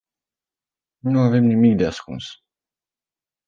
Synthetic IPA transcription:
nunuave̞mnimikd̪easkṵns

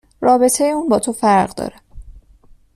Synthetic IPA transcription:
ɾɒːbe̞t̪ʰejeuːnbɒːt̪ʰofæɾɢd̪ɒ̰ːɾɛ

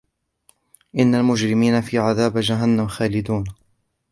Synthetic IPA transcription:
ʔɪnːalmʊd͡ʒɾɪmiːnafiːʕaðaːbd͡ʒaɦanːamxaːlɪd̪uːn

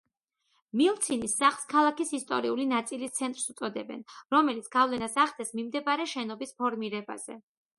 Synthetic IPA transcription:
milˠt̪sʰinisːaχlˠskʰalˠakisist̪ʼɔ̰ɾiulinat̪sʼilist̪sʰɛnt̪ʼɾsut̪sʼɔd̪ɛbɛ̰nɾɔmɛlit̪sʰɡ̥avlɛnasaχd̪ɛsmimd̪ɛbaɾɛʃɛnɔbispʰɔɾmiɾɛba̰z̥ɛ̰

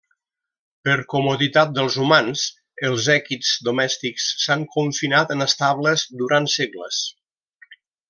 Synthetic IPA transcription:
pəɾkumoðit̪at̪̚d̪əlˠzumans | əlˠzɛkitz̥d̪umɛst̪iksːaŋkuɱfinat̪ənəst̪aβləzd̪uɾant̪seɡlə̰s

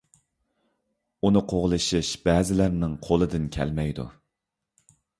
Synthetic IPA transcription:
unɨqʰoʁlˠɨʃiʃb̥ɛːzɪlæɾnɪŋqʰolˠɨd̪ɪnkʲʰɛ̰lmɛjd̪ṵ

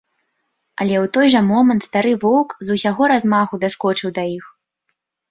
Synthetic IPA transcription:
ɐlʲɛwt̪ɔjʐɐmɔmɐnt̪st̪aɾɨvɔwkzusʲaɣɔɾazmaɣud̪askɔt͡ʂɨwd̪ɐjix

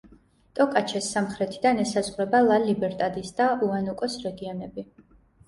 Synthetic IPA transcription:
t̪ʼɔkʼat͡ʃʰɛsːamχɾɛt̪ʰid̪anɛsazʁɾɛbalˠalibɛɾt̪ʼad̪isd̪aʔuanukʼɔsɾɛɡiɔnɛbi

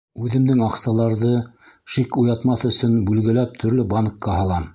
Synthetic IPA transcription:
ʉðɘ̆md̪ɘŋɑqsɑlˠɑɾðɤ | ʃikujɑt̪mɑθɵ̆sɵnbʉlɡɘ̆læp̚t̪ʰɵ̆ɾlɘbɑnkːɑɦɑlˠɑm

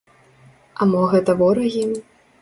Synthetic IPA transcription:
ɐmɔɣɛt̪ɐvɔɾɐɣʲim

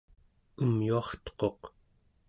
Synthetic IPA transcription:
umjuɑχt̪o̥qo̞q

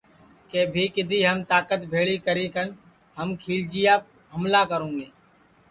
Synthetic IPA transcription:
keːbʱiːkɪd̪ʱiːɦəmt̪aːkət̪bʱeːɭiːkəɾẽːkən | ɦəmkʰiːld͡ʒɪjaː | ɦəmlaːkəɾõːŋɡeː

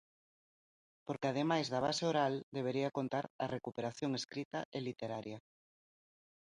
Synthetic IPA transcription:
poɾkɪað̞emajzðɐβ̞a̰seoɾald̪eβ̞eɾiɐkont̪aɾɐrekupeɾaθjoŋeskɾit̪ɐ̰ʔelit̪eɾaɾjɐ

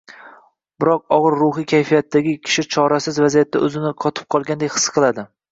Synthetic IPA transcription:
bɪɾɒq̚ɒʁɨɾːʊhikʲʰajfijat̪ːaɡʲɪkʲʰɪ̥ʃɪt͡ʃʰɒɾasɪzvazijat̪ʰːaɵzɪnɪqʰɒt̪ʰɪ̥p̚qʰɒlˠɡʲand̪ekʲhɨ̥sqʰɨlˠad̪ɪ

